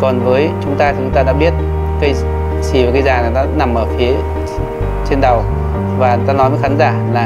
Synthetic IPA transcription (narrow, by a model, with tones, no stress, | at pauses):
kɔ˨˩nvəː˨˦jt͡ɕʊ˨˦ŋ͡mt̪aː˧˨t͡ɕʊ˨˦ŋ͡mt̪aː˧ɗa̰˧˥ɓi˦˥ət̚ | ka˧j | si˧˩vaː˨˩ka˧jzaː˨˩na˨˦˩aː˧˥na˨˩mʔəː˧˩fi˨˦ə | t͡ɕe˧nɗə˨˩w | vaː˨˩e˨˦t̪aː˧nɔ˨˦jmə˨˦jxaː˨˦nzaː˧˩laː˨˩